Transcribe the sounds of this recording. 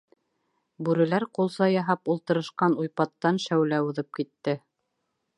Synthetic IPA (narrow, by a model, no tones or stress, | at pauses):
bʉɾɘ̆læɾqulˠsɑjɑɦɑpulˠt̪ɤ̆ɾɤ̆ʃqɑnujpɑt̪ːɑnʃæwlæuðɤp̚kit̪ːɘ